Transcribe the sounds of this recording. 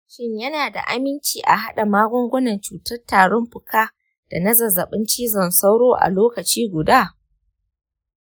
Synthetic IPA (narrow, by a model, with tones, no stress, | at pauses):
ʃɪ˦ɲjɐ˦naː˨da̰˨ʔa˦mɪ˦nt͡ʃiː˨ʔa̰˨ɦa˦ɗa˨maː˦ɡʷʊ˦ŋɡʷʊ˦nɐ˨nt͡ʃuː˨tɐ˦rtaː˨ɽɔ˦mɸʊ˨kaː˦ | d̥a˨nɐ˦zɐ˨zɐ˨ɓɪ˦nt͡ʃiː˦zɐ˨nsa˦wɽoː˦ʔa̰˨loː˦kɐ˨t͡ʃiː˦ɡʷʊ˨daː˦˨